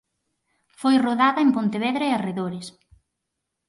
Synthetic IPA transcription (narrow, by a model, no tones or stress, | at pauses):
fojroðaðɐempont̪eβɛðɾaeareðoɾɪs